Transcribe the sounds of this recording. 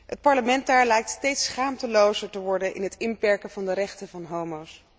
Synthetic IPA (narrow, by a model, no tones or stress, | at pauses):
ɦət̚pɑɹləmɛnt̚daːɹlɛjk̚tstejtsχaːmtəlowzəɹtəʋɔɹdənʔɪ̰nɦətɪnpɛɹkəvɑndəɾɛχtəvɑnɦowmows